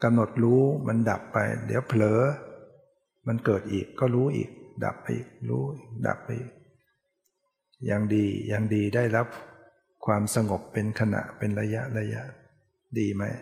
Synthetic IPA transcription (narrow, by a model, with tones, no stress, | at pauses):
ka˧mno˨˩t̪̚ɾuː˦˥ma˧nda˨˩pːa˧jdḭ˨˦wpʰlɤː˨˦ | ma˧nkɤː˨˩t̪̚ʔḭː˨˩kːɔː˥˩ɾuː˦˥ʔḭː˨˩k̚da̰˨˩p̚ːa̰˧jʔiː˨˩k̚ɾuː˦˥iː˨˩k̚da̰˨˩pːa˧jʔiː˨˩k̚ | jaː˨˩ŋdiː˧jaː˨˩ŋdiː˧da˥˩jɾa˦˥p̚ | kʰwaː˧msa˧ŋo˨˩pːe˧nkʰa˧na̰˨˩ʔpe˧nɾa˧ja˦˥ʔla˧ja˦˥ʔ | diː˧ma˦˥j